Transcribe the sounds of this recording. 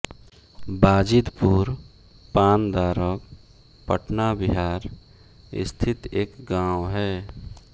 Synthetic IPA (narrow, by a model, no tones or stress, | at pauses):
baːd͡ʒɪd̪puɾ | paːnd̪aːɾək | pə̰ʈnabɪɦaːɾ | ɪ̰st̪ʰɪt̪eːkɡaːwɦɛː